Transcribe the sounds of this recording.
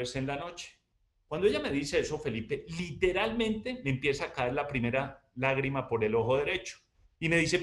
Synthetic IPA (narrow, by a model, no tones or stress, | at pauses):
ɾsenlano̞t͡ʃe̥ | kwand̪oeame̞ðise̞eso̞fe̞lipe̞lit̪e̞ɾalmẽ̞nt̪e̞me̞ːmpje̞saːkaeɾlapɾime̞ɾalaɣɾimapo̞ɾe̞lo̞xoðe̞ɾe̞t͡ʃo̥ | ime̞ðis̬e̞